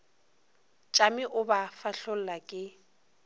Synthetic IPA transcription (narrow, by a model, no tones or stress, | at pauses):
t͡ʃʼamɪʔʊbafaɬol̩lakʼɪ